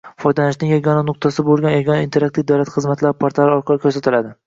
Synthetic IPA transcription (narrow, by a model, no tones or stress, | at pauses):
fɒjd̪anɪʃnɪŋjaɡʲɒnanʊq̚t̪ʰasɪbolˠɡʲanjaɡʲɒnaint̪ʰe̞ɾakt̪ivd̪awlat̪χɨzmat̪ʰlaɾpʰaɾt̪aɾɪɒɾqʰɑlɪkʰʲɵɾsat̪ɪlad̪ɪ